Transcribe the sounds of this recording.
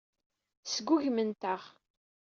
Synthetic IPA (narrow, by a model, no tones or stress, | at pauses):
sɡʷuʝmənt̪əʁ